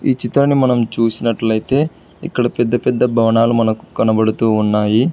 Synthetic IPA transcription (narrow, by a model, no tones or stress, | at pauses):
iːt͡ʃit̪ɾɐnimɐnɐmt͡ʃuːsinɐʈlɐjit̪e̞ | ikːɐɽɐpɛd̪ːɐpɛd̪ːɐbʱɐʋɐɳaːlumɐnɐku̥kɐnɐbɐɽut̪uːnːaːji